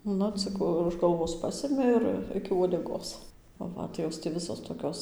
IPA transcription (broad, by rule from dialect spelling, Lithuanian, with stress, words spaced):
ˈnʊ ˈt͡sʲɪk ʊʃ ɡɐlˠˈʋoːs ˈpɑːsʲɪmʲɪ ˈɪr ˈɪkʲɪ uɔdʲɛˈɡoːs ˈʋɐ tɐɪ ˈjoːs tʲɪ ˈʋʲɪsoːs toːˈkʲoːs